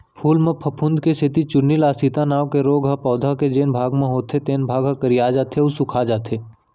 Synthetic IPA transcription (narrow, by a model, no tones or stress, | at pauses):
pʰuːlmẽpʰɐpʰʊ̃nd̪ʱkesʰɪt̪it͡ʃʊnnːilaːst̪it̪anaːʋkeɾoːɡɦapɔːd̪ʱaked͡ʒeːnbʱaːɡmẽɦoːt̪ʰet̪eːnbʱaːɡɦakəɾijaːd͡ʒaːt̪ʰeusʊkʰad͡ʒaːt̪ʰeː